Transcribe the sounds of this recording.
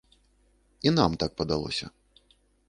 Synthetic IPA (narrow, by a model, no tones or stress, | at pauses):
inamt̪ak̚pɐd̪alˠɔ̰sʲɐ̰